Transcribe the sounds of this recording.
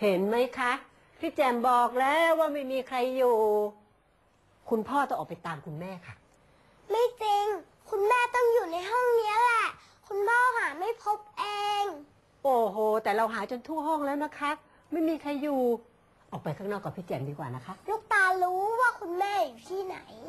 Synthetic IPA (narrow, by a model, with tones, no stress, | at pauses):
he˨˦nma˦˥jkʰa˦˥ʔ | pʰiː˦˥˩t͡ɕɛː˧˩mbɔː˨˩k̚lɛː˦˥waː˥˩ma˥˩jmiː˧kʰɾa˧jːuː˨˩ | kʰu˧npʰɔː˥˩t̪ɔː˥˩ʔɔː˨˩pa˧jt̪aː˧mkʰu˧nmɛː˥˩kʰa˥˩ | ma˥˩jt͡ɕi˧ŋ | kʰu˧nmɛː˥˩t̪ɔ˥˩ŋjuː˨˩na˧jɦɔ˥˩ŋni˦˥əlɛ˨˩ʔ | kʰu˧npʰɔː˥˩ɦaː˩˦ma˥˩jpʰo˦˥p̚ʔeː˧ŋ | ʔoː˨˩ɦoː˨˩t̪ɛː˨˩ɾa˧wɦaː˩˦t͡ɕo˧nt̪ʰu˥˩ɐɦɔ˥˩ŋlɛː˦˥wna˦˥kʰa˦˥ | ma˥˩jmiː˧kʰɾa˧jːuː˨˩ | ʔɔː˨˩k̚pa˧jkʰaː˥˩k̚nɔː˥˩kːa˨˩pʰiː˦˥˩t͡ɕɛː˨˩mdiː˧kwa̰ː˨˩na˦˥kʰa˦˥ʔluː˥˩k̚t̪aː˧ɾuː˦˥waː˥˩kʰu˧nmɛː˥˩juː˨˩t̪ʰiː˥˩na̰˩˦j